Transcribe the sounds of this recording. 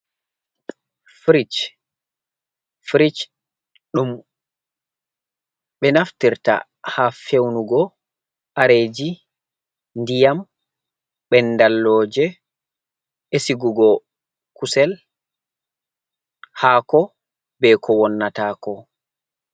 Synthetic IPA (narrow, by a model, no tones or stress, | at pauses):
fɾit͡ʃ | fɾit͡ʃ | ɗum | ɓɛnaftiɾta̰ | hafewnuɡɔ | ʔaɾed͡ʒi | ndijam | ɓɛnːdalːɔːd͡ʒɛ | esiɡuɡɔ | kusɛl | haːkɔ | bɛkʰɔwɔnːataːkɔ